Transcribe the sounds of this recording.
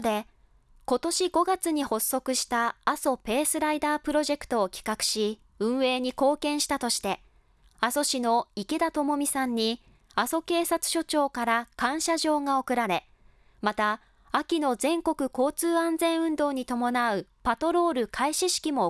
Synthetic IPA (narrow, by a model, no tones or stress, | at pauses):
d̪e̞ | ko̞t̪o̞ɕiɡo̞ɡat͡sɨɲ̟iho̞sːo̞kɯ̟ɕi̥t̪aːso̞pe̞ːsɨɾaid̪aːpɯ̟ɾo̞ʑe̞kɯ̟̥t̪o̞ːkʲi̥kakɯ̟̥ɕi | ɯ̟̃ɰ̃e̞ːɲ̟iko̞ːkẽ̞ɰ̃ɕi̥t̪at̪o̞ɕi̥t̪e̞ | aso̞ɕino̞ike̞d̪at̪o̞mo̞mʲisãɲ̟ːi | aso̞ke̞ːsat͡sɨ̥ɕo̞t͡ɕo̞ːkaɾakãɰ̃ɕaʑo̞ːŋao̞kɯ̟ɾaɾe̞ | mat̪aː | kʲino̞zẽ̞ŋko̞kɯ̟ko̞ːt͡sɨːãnd͡zẽ̞ɰ̃ɯ̟̃nd̪o̞ːɲ̟it̪o̞mo̞naɯ̟pat̪o̞ɾo̞ːɾɯ̟kʰaiɕiɕi̥kʲimo̞